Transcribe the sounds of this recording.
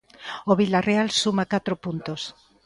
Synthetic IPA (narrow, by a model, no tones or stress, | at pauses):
oβilarealsumakat̪ɾopunt̪os